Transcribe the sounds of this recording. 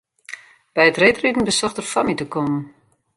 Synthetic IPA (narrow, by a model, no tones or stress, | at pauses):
b̥ɛjətreːtridn̩bəsɔxtərfamitəkɔmən